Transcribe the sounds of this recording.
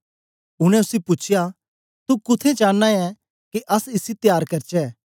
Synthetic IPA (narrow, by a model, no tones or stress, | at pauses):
ʊɽ̃ɛ̃ʊsipʊt͡ʃʰɪja | t̪ukʊt̪ʰet͡ʃãːãɛ | keʔɐsɪsit̪jaːɾkɐɾt͡ʃɛː